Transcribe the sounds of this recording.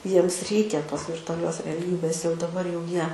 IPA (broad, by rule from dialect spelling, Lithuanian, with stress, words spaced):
ˈjiɛms ˈrʲɛɪkʲɛ ˈtoːs ʋʲɪrtʊɐˈlʲoːs rʲɛˈlʲiːbʲeːs jɛʊ dɐˈbɐr jɛʊ ˈjiɛ